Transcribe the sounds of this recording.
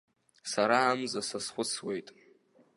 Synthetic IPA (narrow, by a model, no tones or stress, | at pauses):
saɾaːmzasasχʷʊt͡sʰwejtʼ